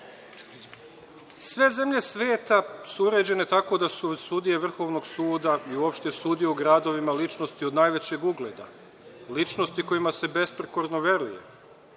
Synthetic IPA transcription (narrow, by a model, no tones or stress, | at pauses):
sʋe̞ze̞mʎʲe̞sʋe̞ːt̪asuuɾe̞d͡ʑe̞ne̞t̪ako̞d̪asusud̪ije̞ʋr̩xo̞ʋno̞ɡsuːd̪aiuo̞pʃt̪ejsud̪ijeuɡɾad̪o̞ʋimalit͡ʃno̞st̪iod̪naːjʋe̞t͡ɕe̞ɡuɡle̞ːd̪a̰ | lit͡ʃnost̪iko̞imase̞be̞spɾeko̞ɾnoʋe̞ɾujḛ